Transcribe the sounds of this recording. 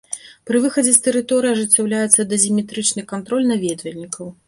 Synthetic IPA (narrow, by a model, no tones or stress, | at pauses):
pɾɨvɨxɐd͡zʲɛst̪ɛɾɨt̪ɔɾɨjɐʐɨt͡sʲːawlʲajɛt̪sːɐd̪ɐzʲimʲɛt̪ɾɨt͡ʂnɨkant̪ɾɔlʲnɐvʲɛd̪vʲɐlʲnʲikɐw